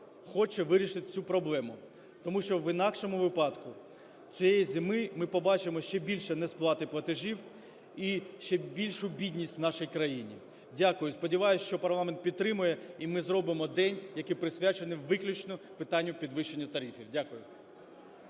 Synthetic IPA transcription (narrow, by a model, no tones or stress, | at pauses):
xɔt͡ʃɛʋɪɾʲiʃɪt̪ɪ̥t͡sʲupɾɔblˠɛmʊ | t̪ɔmuʃt͡ʃɔwʋɪnɑkʃɔmʊʋɪpɑd̪kʊ | t͡sʲɔjejizʲɪmɪmɪpɔbɑt͡ʃɪmɔʃt͡ʃɛbʲilʲʃɛnɛsplˠɑt̪ɪplˠɐt̪ɪʒiw | iʃt͡ʃɛbʲilʲʃʊbʲidʲnʲisʲtʲwnɑʃijkɾɐjinʲḭ | dʲakʊjʊspɔdʲiʋɑjʊsʲʃt͡ʃɔpɐrlˠɑment̪̚pʲid̪̚t̪ɾɪmʊjɛimɪzɾɔbɪmɔd̪ɛnʲjɐkɪpɾɪsʲʋʲat͡ʃenɪwʋɪklʲʊt͡ʃnɔpɪt̪ɑnʲːʊpʲid̪ʋɪʃenʲːɐt̪ɐɾʲifʲiwdʲakʊjʊ